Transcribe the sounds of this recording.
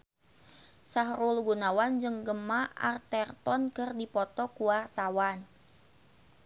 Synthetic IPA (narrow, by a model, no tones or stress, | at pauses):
saɦɾulɡunawand͡ʒɨŋɡəmaʔa̰rt̪ɛrt̪ɔnkɨrdipɔt̪ɔkuwart̪awan